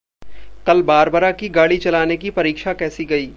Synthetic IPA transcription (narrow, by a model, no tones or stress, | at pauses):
kɐlbaːɾbəɾakiɡaːɽit͡ʃɐlaːnekipɐɾiːkʃakɛːsiɡɐiː